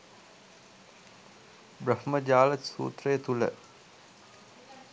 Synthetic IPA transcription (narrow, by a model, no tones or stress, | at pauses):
brəhməd͡ʒaːlətsṵːt̪rəjət̪ulə̰